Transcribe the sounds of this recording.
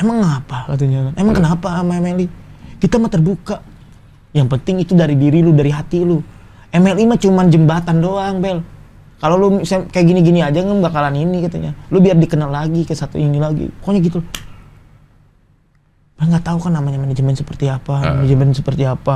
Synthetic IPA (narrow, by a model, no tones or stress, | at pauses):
emaŋːapalat̪ud͡ʒalanemaŋkənapaːmaemelikit̪amat̪ərbuka | jaŋpənt̪ɪŋit̪udaɾidiɾiludaɾiɦat̪ilu | ɛmɛlimat͡ʃumand͡ʒəmbat̪andoaŋbɛl | kalolusakajaʔɡiniɡiniad͡ʒaŋəmɡakalaninikat̪a̰ɲa̰lubiardikənalːaɡikəsat̪ṵinilaɡḭkoɲaɡit̪ul | b̥ɛlŋɡat̪aukanːamaɲamaɲad͡ʒəmɛnsəpərt̪iapaad͡ʒəmbasəpərt̪iapa